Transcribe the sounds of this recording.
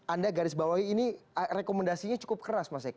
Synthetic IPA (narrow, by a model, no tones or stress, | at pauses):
andaɡaɾɪsbawaiːnirekomɛndasiɲat͡ʃu̥kʊp̚kəɾasmas̬ak